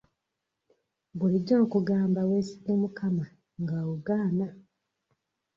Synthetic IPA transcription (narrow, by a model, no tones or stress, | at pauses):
buliɟːoːkuɡaːmbaweːsidomukama | ŋɡawuɡaːna